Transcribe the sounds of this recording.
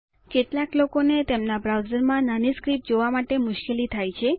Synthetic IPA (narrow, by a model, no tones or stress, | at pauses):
keʈlaklokonet̪emnabɾawzəɾmãnaniskɾip̚d͡ʒoʋamaʈemʊʃkelit̪ʰajt͡ʃʰe